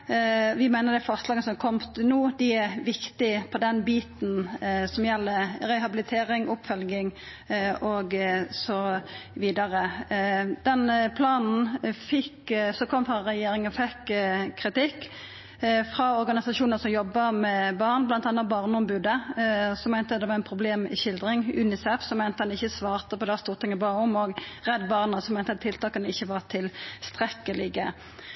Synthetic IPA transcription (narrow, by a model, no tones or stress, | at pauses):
ʋɪmæɪnəd̪ɛfɑst̪lɑːɡəsɔmkʰɔmt̪nuːd̪ɪæʋɪkt̪ɪpʰɔd̪ɛnbiːt̪nsɔmjɛlːəɾɛhɑbɪlɪt̪ʰeːɾɪŋʔʊpfœlɡɪŋ | ɔɡsɔʋiːd̪ɑɾə | d̪ɛnpʰlɑːnn̩fɪkːsɔkʰɔmfʁɑɾɛjeːɾɪŋənfɛkʰːʁɪt̪ɪkː | fʁɑɔɾɡɑnɪsɑʃuːnəʁsɔmjɔbːəmɛbɑːʁnblɑnt̪ɑnːət̪bɑːʁnəɔmbʉːd̪əsɔmæɪnt̪əd̪ɛʋɑɛnpʰʁʊbleːmɪ̰çɪld̪ʁɪŋʉ̰ːnɪsɛfsɔmɛɪnt̪əd̪ɑnɪçːəsʋɑːʁt̪əpɔd̪ɛæst̪uːʁt̪ɪŋəbɑʊmɔɡʁɛd̪ːbɑːʁnɑsɔmæɪnt̪əɑt̪ʰːɪlt̪ʰɑːkɑnəɪçːəʋɑʁt̪ʰɪlst̪ʁɛkːəlɪɡə